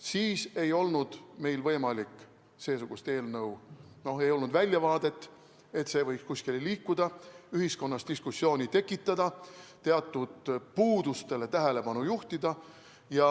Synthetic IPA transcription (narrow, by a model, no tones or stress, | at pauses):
siːse̞jo̞lnud̪̥me̞jlvɤjmɑlikːˑ | se̞ːsuɡ̥ust̪e̞ːlnɤw | no̞e̞jo̞lnud̪vælʲjɑvɑːd̪̥e̞t̪ˑː | e̞t̪se̞ːvɤ̞jkskuskilliːkːud̪̥ɑyɦisko̞nːɑst̪d̪iskusːjo̞ːnʲit̪e̞kːˑit̪ːˑɑd̪ɑt̪e̞ɑt̪ːˑud̪̥puːd̪̥ust̪e̞le̞t̪æɦele̞pɑnujuht̪id̪ɑ | jɑ